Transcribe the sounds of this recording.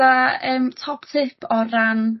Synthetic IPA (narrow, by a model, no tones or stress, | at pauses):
aəːmtʰɔpʰtʰɪpʰɔran